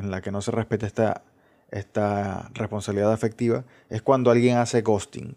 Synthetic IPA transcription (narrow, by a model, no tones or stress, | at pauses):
enlake̞no̞se̞re̞hpe̞t̪eest̪a | est̪arespo̞nsaβiliðaðafek̚t̪iβa̰ | e̞skwand̪oalɣje̞ŋase̞ɣo̞st̪ḭŋ